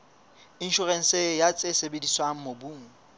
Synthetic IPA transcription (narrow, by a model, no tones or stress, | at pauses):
in̩ʃʊrɛn̩sejat͡sʼesebediswaŋ̩mobuːŋ̩